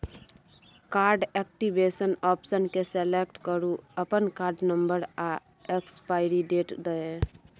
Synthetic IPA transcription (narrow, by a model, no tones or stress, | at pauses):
kaɾɖɛk̚ʈibesənɔpsənkesɛlek̚ʈkəɾuəpənkaɾɖnəmbəɾa | ekspaɪɾiɖeʈd̪əe